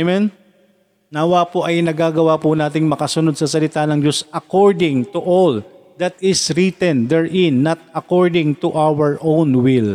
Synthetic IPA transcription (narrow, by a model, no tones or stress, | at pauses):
mɛn | naːwapoʔɐjnɐɡaːɡɐwapʊnaːt̪̬ɪŋmɐkɐsʊnod̪̚sɐsɐlɪt̪anɐŋd͡ʒosʔɐkoɹd̪ɪŋt̪ʊʔold̪ɐt̪ɪsɾit̪ɛnd̪ɛɹʔɪnːɐt̪̚ɐkoɹd̪ɪŋt̪uʔawɛɹʔownwɪl